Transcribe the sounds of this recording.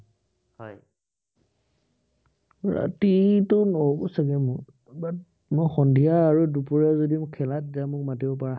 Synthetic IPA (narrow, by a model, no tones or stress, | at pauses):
hɔj | ɹa̰titʊnɔsaɡɛmʊ | ba | mɔjxɔndʱijaːɹudupuɹiazodimkʰɛlat̚dijamʊk̚matibɔp̬aɹa